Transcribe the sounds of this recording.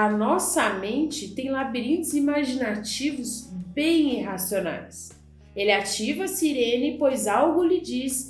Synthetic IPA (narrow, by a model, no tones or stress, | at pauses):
ɐnɔsɐmẽnt͡ʃɪt̪ẽj̃labiɾĩnt̪ɪzimaʒinat͡ʃivʊzbẽj̃iɦasiona̰js | elɪat͡ʃivɐsiɾẽnɪpojzawɡʊlɪd͡ʒis